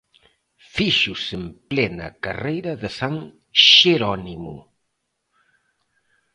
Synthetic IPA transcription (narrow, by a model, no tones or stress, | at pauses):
fiʃusemplɛnɐ̰kɐrejɾɐðəsaŋ | ʃeɾɔnimṵ